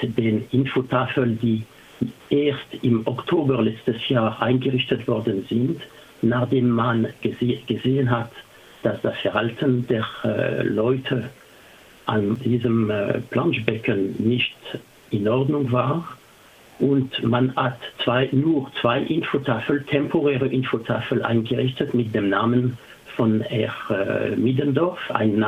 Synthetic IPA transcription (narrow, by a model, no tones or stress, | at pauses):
d̥eːnʔɪnfotʰaːfəldiː | ʔeːɐstɪmɔktʰoːbəʁlɛt͡stəsjaːʁʔa̰ɪnɡəʁɪçtətv̥ɔʁdənzɪnt | naχd̥eːmːanɡəzɡ̥əzeːənɦat | d̥asd̥asfɛʁhaltʰəndeːʁ̰lɔʏtʰə | ʔandiːzəm̰plãnʃbɛkʰənːɪçt | ɪnɔʁdnʊŋvaːʁ | ʔʊntmanhatt͡sv̥aɪnuːʁt͡sv̥aɪʔɪnfotʰafəltʰɛmpʰoʁɛːʁəʔɪnfotʰaːfəlʔa̰ɪnɡəʁɪçtətmɪt̚d̥eːmnaːmən | fɔnɛʁ̰midəndɔfa̰ɪna